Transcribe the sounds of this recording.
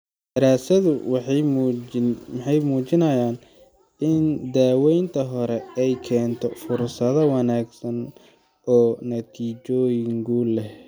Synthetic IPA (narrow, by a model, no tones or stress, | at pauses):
d̪ɐɾaːsɐðʊw | mħɑjmuːt͡ʃɪnɐjaːn | ɪnd̪aːwɛjnt̪ʰɐɦɔɾɛɛjkʰɛːnt̪ʰɔfʊrsɐðɐwɑnaːɡsɐn | ʔɔːnɐt̪ʰiːt͡ʃɔːjɪŋkʰʊlɛh